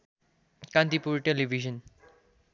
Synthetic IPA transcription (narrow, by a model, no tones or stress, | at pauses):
kãnt̪ipuɾʈeliʋiʒən